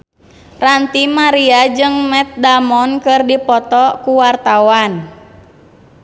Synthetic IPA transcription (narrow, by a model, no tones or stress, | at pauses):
rant̪imaɾiad͡ʒɨŋmɛt̪̚damɔnkɨrdipɔt̪ɔkuwart̪awan